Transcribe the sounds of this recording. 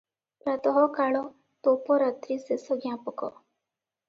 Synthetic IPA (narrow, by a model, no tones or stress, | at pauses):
pɾat̪ɔɦɔkaɭɔ | t̪opɔɾat̪ɾisesɔɡjãpɔkɔ̰